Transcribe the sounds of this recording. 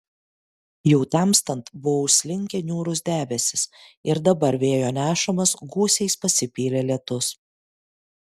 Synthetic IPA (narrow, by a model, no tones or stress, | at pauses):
jɛʊt̪ɑˑmst̪ɐnt̪bʊʋoʊʃsʲlʲɪŋʲkʲɛnʲuːɾʊsd̪ʲæːbʲɛsʲɪsɪɾd̪ɐbɐɾʋʲeːjoːnʲæːʃɐmɐsɡuːsʲɛɪspɐsʲɪpʲiːlʲeːlʲɛt̪ʊs